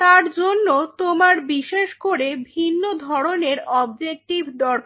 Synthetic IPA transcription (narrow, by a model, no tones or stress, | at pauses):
t̪aɾd͡ʑonːot̪omaɾbiʃeʃkoɾebʱinːod̪ʱɔɾoneɾɔbd͡ʑek̚ʈibd̪ɔɾk